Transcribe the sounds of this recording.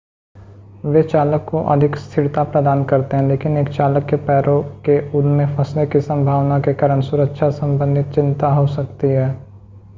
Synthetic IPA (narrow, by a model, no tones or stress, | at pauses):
ʋeːt͡ʃaːləkːoʔɐ̰d̪ʱɪkst̪ʰɪɾt̪apɾəd̪aːnkɐɾt̪eɦɛ̃leːkɪneːkt͡ʃaːləkːepɛːɾokeʔʊd̪mẽfɐsnekisɐ̃mbʱaːʋnakekaːɾəɽ̃sʊɾəkʃʰasɐ̃mbə̃nd̪ʱɪt̪̚t͡ʃɪ̃nt̪aɦosɐkt̪iɦɛː